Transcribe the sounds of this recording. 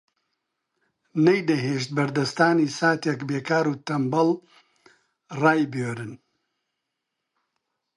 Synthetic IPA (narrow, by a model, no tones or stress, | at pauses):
nɐjd̪ɐɦeːʃt̪̚bɐɾd̪ɐst̪aːniːsaːt̪ekbeːkaːɾuːt̪ɐmbɐl | raːjbøːɾɨn